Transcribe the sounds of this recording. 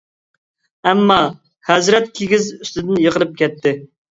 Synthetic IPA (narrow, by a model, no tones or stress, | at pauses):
ɛmːɑ | hɛzɾɛt̪̚kʲʰeɡʲizyst̪ɪd̪ɪnjəqəlˠɨp̚kʲʰɛt̪ʰːɪ